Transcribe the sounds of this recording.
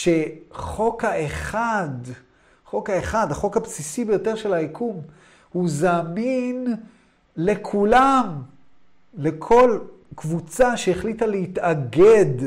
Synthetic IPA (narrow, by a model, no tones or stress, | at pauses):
ʃe̞χo̞kaeχad̪ | χo̞kaeχad̪haχo̞khabsisibejo̞te̞ʁʃe̞laikʰum | huzaːmin | le̞kʰulam | le̞kʰo̞l | kvut͡saʃeeχlitalehit̪aɡed